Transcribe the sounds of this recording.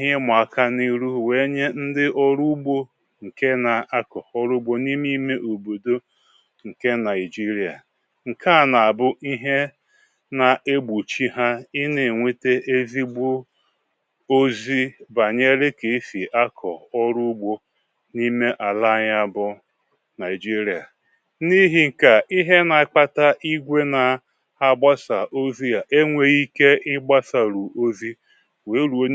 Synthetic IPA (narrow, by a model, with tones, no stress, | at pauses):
ɦe˦mʷ˨a˨˦˨kʰa˦ni˦ɾu˦we˨˦ɲe˦n̩˦dɪ˦ʔɔ˦ɾu˦ɡ͡bo˦ | ŋ̩˨ke˦na˨a˦kɔ˨ɔ˦ɾʊ˦ɡ͡bo˦ni˦m˦i˦me˦ʔo˨bo˨do˦ | ŋ̩˨ke˦na˨ɪ˨d͡ʒi˦ɾi˨a̰˨ | ŋ̩˨ka˦˨na˨a˨bʊ˦ʔi˦ɦe˦ | na˨ʔe˦ɡ͡bu˨t͡ʃi˦ɦa˦i˦ne˨ŋʷe˦te˦e˦zi˦ɡ͡bo˦ | o˦zi˦ba˨ɲe˦ɾe˦ke˨˦fi˨ʔa˦kʰɔ̰˨ɔ˦ɾu˦ɡ͡bo˦ | ni˦me˦ʔa˨la˦ɲa˦bʊ˦ | na˨ɪ˨d͡ʒi˦ɾi˨a˨ | ni˦ɦi˨ŋ̩˨ka˨i˦ɦe˦na˨k͡pa˦ta˦ʔi˦ɡʷe˦na˨ | a˦ɡ͡ba˦sa˨ʔo˦zi˦ja˨ʔe˦ŋʷe˦ɣi˦ke˦ɪ˦ɡ͡ba˦sa˨ɾu˨ʔo˦zi˦ | we˨˦ɾu˨o˦